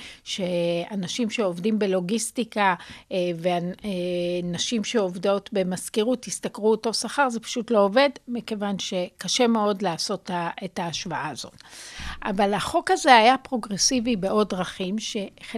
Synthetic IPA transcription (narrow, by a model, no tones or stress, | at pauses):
ʃe̞anaʃimʃe̞o̞vdimbe̞lo̞ɡistika | veaenaʃimʃe̞ovdo̞tbe̞maskiʁutist̪akʁuoto̞saχaʁzepḁʃutlo̞ove̞dmikevanʃe̞kaʃe̞me̞o̞dleaso̞taetaːʃvaʔazo̞̰nʔa̰valaχo̞khaze̞ajapʁo̞ɡʁesivibeʔo̞dʁaχimʃe̞